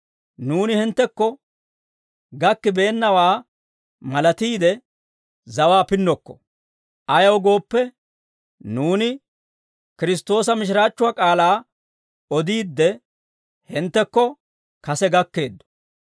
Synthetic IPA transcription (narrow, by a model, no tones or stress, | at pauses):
nuːnɪhɪnt̪ːɛkːɔ | ɡɐkːɪbe̞ːnːɐwaː | mɐlɐt̪iːd̪ɛ | zɐwaːpɪnːɔkːɔ̥̰ | ʔɐjɐwɡo̞ːpːɛ | nuːnɪ | kɪɾɪs̬t̪ːo̞ːs̬ɐmɪʃ̬ɪɾaːt͡ʃːʊwaːkʼaːlaː | ɔd̪iːd̪ːɛ | hɪnt̪ːɛkːɔ | kɐsɛɡɐkːe̞ːd̪ːɔ̥